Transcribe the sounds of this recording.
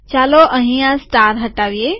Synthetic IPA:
t͡ɕaːloʔɐɦĩjãsʈaːɾɦɐʈaːʋieː

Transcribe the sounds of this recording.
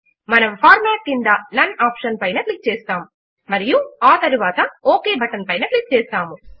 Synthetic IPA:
mɐnɐmpʰaːɾmaːʈ̚kind̪ɐnɐnaːpʂɐnpɐjnɐklik̚t͡ʃɛːst̪aːmu | mɐɾijuaːt̪ɐɾuʋaːt̪ɐoːkeːbɐʈɐnpɐjnɐklik̚t͡ʃɛːst̪aːmu

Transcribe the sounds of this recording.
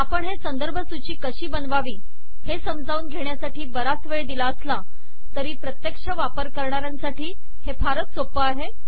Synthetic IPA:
apəɳɦesənd̪əɾbʱəsut͡ɕiːkəɕiːbənʋaʋiː | hesəmd͡zʱauːnɡʱeɳjasaʈiːbəɾasʋəɭd̪ilaəsla | t̪əɾiːpɾət̪jəkʂəʋapəɾkəɾɳaɾjãnsaʈiː | hepʰaɾət̪sopəaɦe

